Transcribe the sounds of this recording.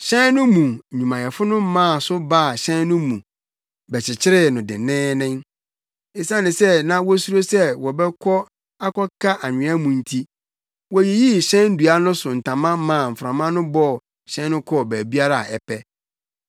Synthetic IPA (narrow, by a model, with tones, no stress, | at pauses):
ɕɛ̃˦nnʊ̃˦mũ˨ɲᶣũ˨mã˨jɛ˨fʊ˦nʊ̃˦mã˦˨sʊ˦ba˦˨ɕɛ̃˦n˦nʊ̃˦mũ˨ | bɛ˨t͡ɕʰɪ˨t͡ɕʰɪ˦ɾɪ˦nʊ̃˨dɪ̰˨nɪ̃ː˦nɪ̃˦ŋ | ɪ˨sã˦nɪ̃˨sɛ˦nã˦wɔ˦su˦ɾo˦sɛ˦wɔ˨bɛ˦kʰɔ˦ | a˦kʰɔ˦kʰa˦ʔa˨ɲᶣɪ̃˨˦a˦mũ˨n̩˦tʰi˦ | wɔ˨je˨ji˦˨ɕɛ̃˦n̩˦du˨a˦nʊ̃˦sʊ˨n̩˨tʰã˨mã˦mã˦˨m̩˨fã˨mã˦nʊ̃˦bɔ˦ | ɕɛ̃˦n˦nʊ̃˦kʰɔ˦bæː˨bi˦a˦ɾa˦˨ɛ˨pʰɛ˦